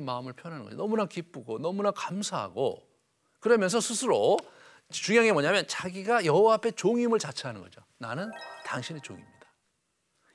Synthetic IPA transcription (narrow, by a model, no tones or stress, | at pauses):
maɯmɯɭpʰjʌnɦanɯnɡʌd͡ʑo̰nʌmunakip͈uɡonʌmunakamsʰaɦa̰ɡo̰ | kɯɾʌmjʌnsʰʌsʰusʰɯɾo | t͡ɕuŋjaŋe̞mʌɲamjʌnt͡ɕaɡiɡajʌɦowaapʰe̞t͡ɕoŋimɯɭt͡ɕat͡ɕʰaɦanɯnɡʌd͡ʑo | nanɯntaŋɕʰinet͡ɕo̰ŋimɲid̥ḁ